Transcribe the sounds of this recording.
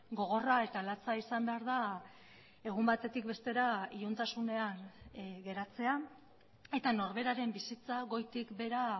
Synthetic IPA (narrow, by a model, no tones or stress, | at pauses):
ɡo̞ɣ̞o̞rae̞t̪alat͡saisambe̞aɾða | e̞ɣ̞umbat̪e̞t̪ik̚be̞st̪e̞ɾaiont̪asune̞anɡe̞ɾat͡se̞a | e̞t̪ano̞ɾβe̞ɾaɾe̞mbisit͡saɣo̞jt̪ikbe̞ɾa